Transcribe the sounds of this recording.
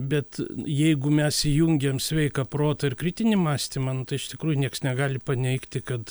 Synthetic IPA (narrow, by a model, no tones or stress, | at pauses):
bʲɛt̪jɛɪɡʊmʲɛsijuŋʲɡʲemsʲʋʲɛɪkɐproːt̪ɐɪrkɾʲɪt̪ʲɪnʲɪmɑːsʲt̪ʲɪmɐnʊt̪ɐɪɪʃt̪ʲɪkɾuːjʊnʲiɛksnʲɛɡɑːlʲɪpɐnʲɛɪkt̪ʲɪkɐt̪